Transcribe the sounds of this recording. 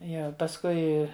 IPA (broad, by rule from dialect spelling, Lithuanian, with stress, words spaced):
ˈjiɛ pɐsˈkʊɪ